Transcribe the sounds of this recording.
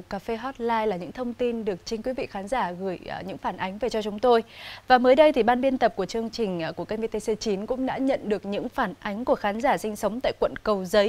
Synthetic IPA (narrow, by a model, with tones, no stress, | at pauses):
kːaː˧˩fe˧ɦɔ˦˥t̚laː˧jlaː˨˩ɲɨ̰˧˥ŋt̪ʰə˧wŋ͡mt̪i˧nɗɨ˨˩ək̚t͡ɕi˧nkwi˨˦vḭ˧˨xaː˨˦nzaː˧˩ɣɨ˧˩əjɲɨ̰˧˥ŋfaː˧˩nʔa˨˦jŋ̟ve˨˩t͡ɕɔ˧t͡ɕʊ˨˦ŋ͡mt̪o˧jvaː˨˩məː˨˦jɗə˧jt̪ʰi˨˩ɓaː˧nɓi˧ənt̪ə˨˩p̚ku˧˩ət͡ɕɨ˧əŋt͡ɕï˨˩ŋ̟˨˩ku˧˩əka˧ve˧t̪e˧se˧t͡ɕi˨˦nkʊ̰˧˥ŋ͡mɗa̰ː˧˥ɲə̰˧˨nɗɨ˨˩ək̚ɲɨ̰˧˥ŋfaː˧˩nʔa˨˦jŋ̟ku˧˩əxaː˨˦nzaː˧˩sï˧ŋ̟sə˨˦wŋ͡mt̪a̰ː˧˨jkwə̰˧˨nkə˨˩wzə˨˦j